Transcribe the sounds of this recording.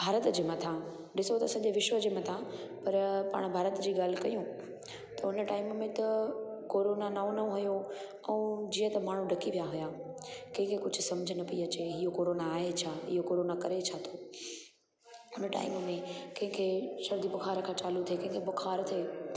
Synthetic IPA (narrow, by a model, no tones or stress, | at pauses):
bʱaːɾət̪d͡ʑeːmɐt̪ʰã | ɗɪsot̪ɐsɐ̃ɲd͡ʑeʋɪʃwəd͡ʑeːmɐt̪ʰã | pɐɾpa̰ːɽ̃bʱaːɾət̪d͡ʑiːɠaːl̤ɪkɐjũ | t̪ɐʊnəʈaːɪmmẽt̪ɐkoːɾoːnanaõnɐõɦʊjo | ɛ̃ːd͡ʑiːə̃t̪ɐmaːɳ̤ũɖɐkiʋijaɦʊjaː | kɐ̃ɦɪ̃kʰekʊd͡ʑʱʊ̆sɐ̃md͡ʑʱənɐpiɐt͡ɕeɦɪjokoːɾoːnaːɦet͡ɕʰaːɪ̰ɦokoːɾoːnakɐɾet͡ɕʰat̪ʰoː | ʊnəʈa̰ːɪmmẽkɐ̃ɦɪ̃kʰeːʃɐɾd̪ibʊxʰaːɾkʰãːt͡ɕaːlut̪ʰiekɐ̃ɦɪ̃ŋkʰebʊxʰaːɾt̪ʰieː